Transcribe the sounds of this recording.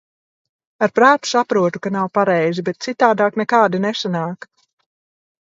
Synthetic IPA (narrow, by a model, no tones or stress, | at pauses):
aɾpɾaːt̪u̥sapɾuɔt̪ukanawpaɾɛjzibɛt̪̚t̪sit̪aːd̪aːknɛkaːd̪inesanaːk